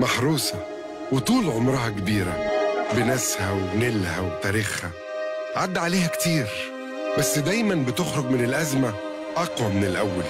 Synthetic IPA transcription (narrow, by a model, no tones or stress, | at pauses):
mɑħɾuːsɑ | wet̪uːlʕomɾˤɑhɑkebiːɾæ̰benæshæwnelhæwt̪æːɾiːxhæ | ʕad̪ːʕaleːhækt̪iːɾ | bæsːd̪æjmænbɪt̪oxɾoɡmɪnelʔæzmæ | ʔɑqwɑmenelʔæwːæl